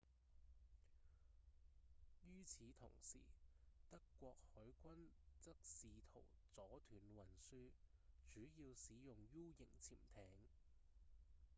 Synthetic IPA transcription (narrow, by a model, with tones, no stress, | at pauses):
jyː˥t͡sʰiː˨˥t̪ʰʊ̰˨˩ŋsḭː˨˩t̪ɐ˥kːʷɔː˧k̚hɵ˨˥ɥkʷɐ˥nt͡sɐ˥k̚siː˨˧t̪ʰo̰˨˩wt͡sɔː˨˥t̪ʰyː˨˩nwɐ˨˩nsyː˧ | t͡ʃyː˨˥jiː˧wsiː˨˥jʊ˨˩ŋjuː˥wjɪ˨˩ŋt͡sʰḭː˨˩mt̪ʰɛː˨˥ŋ